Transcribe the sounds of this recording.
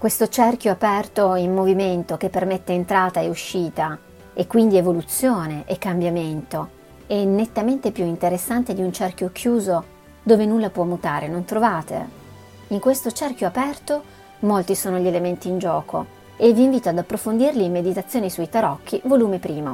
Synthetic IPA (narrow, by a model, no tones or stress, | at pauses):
kwest̪ot͡ʃɛrkjoapɛrt̪oimːoviment̪ok̟epːermet̪ːeːnt̪ɾaːt̪aeuʃːiːt̪a | ekːwind̪ievolut̪sjoːneʔekːambjament̪o | ɛnːet̪ːament̪epjuint̪eɾesːant̪ed̪iunt͡ʃɛrkjokʰjuːzo | d̪oːvenulːapwɔmːut̪aːɾenont̪ɾovaːt̪ḛ | iŋkwest̪ot͡ʃɛrk̟joapɛrt̪o | molt̪isoːnoʎielement̪iːnd͡ʒɔːko̰ | evːiːɱviːt̪oad̪apːɾofond̪irliːmed̪it̪at̪sːjoːnisuit̪aɾɔk̟ːivoluːmipɾiːmo̰